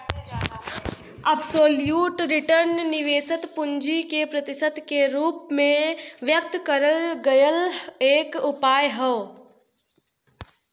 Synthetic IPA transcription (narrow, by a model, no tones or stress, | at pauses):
ɐbsoːljuːʈɾɪʈəɾnnɪʋeːsət̪pʊɲd͡ʒikepɾɐt̪ɪsəd̪keɾuːpmẽʋjək̚t̪kɐɾəlɡɐjəleːkʊpaːjɦəː